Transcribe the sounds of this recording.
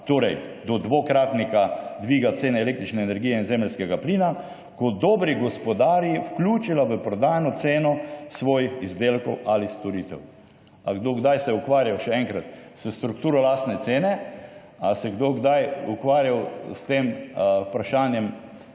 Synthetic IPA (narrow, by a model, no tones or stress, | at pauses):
t̪oːɾɛjd̪ɔd̪ʋokɾaːt̪nikad̪ʋiːɡat̪seːnɛɛleːk̚t̪ɾit͡ʃnɛːnɛɾɡijɛinzɛməlʲskɛɡapliːna | kɔd̪ɔːbɾiɡɔspɔd̪aɾjiwklʲuːt͡ʃilaʋəpɾɔd̪aːjanɔt̪seːnɔsʋɔːjixizd̪elkɔwalist̪ɔɾiːt̪ɛ̰w | aɡd̪oɡd̪ajsɛukʋaːɾjawʃɛɛŋkɾat̪səst̪ɾukt̪uːɾɔlaːst̪nɛt̪seːnɛ | asɛɡd̪oɡd̪ajukʋaːɾjawst̪empɾaʃaːnjɛm